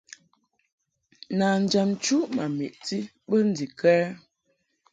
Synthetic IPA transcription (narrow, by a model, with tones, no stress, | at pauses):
na˨n̩˨d͡ʒa˨mt͡ʃu˦ma˨mḭ˨ʔti˦ | bə˦n̩˦di˨kɛː˦